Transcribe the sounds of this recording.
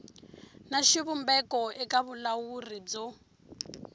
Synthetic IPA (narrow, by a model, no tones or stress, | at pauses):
naʃiβumbɛkɔɛkaβulawurid͡zɔ